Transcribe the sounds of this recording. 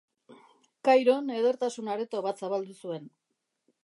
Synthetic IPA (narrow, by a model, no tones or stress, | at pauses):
kajɾo̞ne̞ð̞e̞ɾt̪asunaɾet̪oβat̪saβald̪usue̞n